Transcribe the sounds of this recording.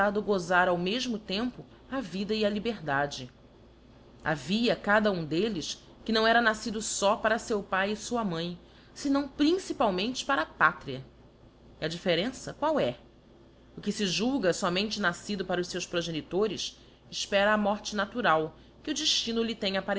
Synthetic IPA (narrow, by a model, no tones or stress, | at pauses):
ad̪ʊɡozaɾawmeʒmʊt̪ẽmpʊ | avid̪ɐiɐlibeɾd̪ad͡ʒɪ | a̰viɐkad̪ɐũd̪elɪʃ | kɪnɐ̃w̃ɛɾɐnasid̪ʊsɔpaɾɐsewpajɪsuɐmɐ̃j̃ | sɪnɐ̃w̃pɾĩsipawmẽnt͡ʃɪ̥paɾɐːpat̪ɾiɐ | iɐd͡ʒifeɾẽsɐkwawɛ | ʊkɪsɪʒuɡɐsɔmẽnt͡ʃɪnasid̪ʊpaɾɐʊʃsewspɾoʒenit̪oɾɪs | ɪʃpɛɾɐːmɔɾt͡ʃɪnat̪uɾaw | kɪʊd͡ʒiʃt͡ʃĩnʊlɪt̪ẽɲɐapaɾ